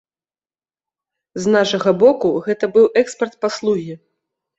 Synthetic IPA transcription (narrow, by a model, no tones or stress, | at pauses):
znaʂɐɣɐbɔkuɣɛt̪ɐbɨwʔɛkspʲɛrt̪̚paslˠuɣʲi